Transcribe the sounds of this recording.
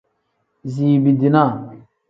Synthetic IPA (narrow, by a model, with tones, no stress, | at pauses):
ziː˨bi˨di˨na˦˨